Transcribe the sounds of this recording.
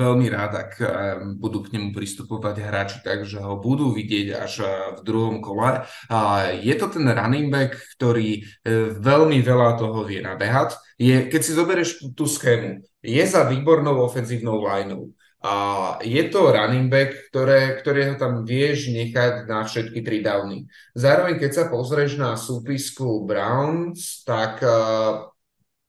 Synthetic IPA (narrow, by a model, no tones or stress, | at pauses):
ʋɛlmiɾaːt̪a̰kbud̪uːkɲɛmupɾist̪upɔʋaɟɦɾaːt͡ʃi̥t̪aɡʒɛɦɔbud̪uːʋiɟɪɛɟa̰ʒvd̪ɾuɦɔmkɔlɛ | jɛt̪ɔt̪ɛnɾa̰nimbɛkːt̪ɔɾiːʋɛʎmiʋɛlat̪ɔɦɔʋɪɛna̰bɛɦac | jɛkɛcsizɔbɛɾɛʃt̪uːsxɛːnu | jɛzaʋiːbɔɾnɔʊɔfɛnziːʊnɔʊlajnɔ̰ʊ | ajɛt̪ɔɾanimbɛkːt̪ɔɾɛːkt̪ɔɾiːɦɔt̪amʋɪɛʒɲɛxacnafʃɛt̪kit̪ɾid̪aːʊnḭ | zaːɾɔʋɛɲkɛcsapɔzɾɛʒnasuːpiskubɾaʊnst̪ak